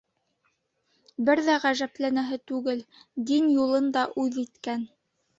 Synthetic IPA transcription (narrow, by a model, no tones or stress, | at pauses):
bɘɾðæʁæʒæplænæɦɘt̪ʉɡɘld̪injulˠɤnd̪ɑʔʉðit̪kæn